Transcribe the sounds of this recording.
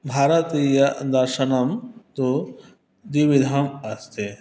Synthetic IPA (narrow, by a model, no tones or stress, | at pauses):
bʱaːɾɐt̪ijɐd̪ɐɾʃɐnɐmt̪o | d̪iʋid̪ʱamɐst̪e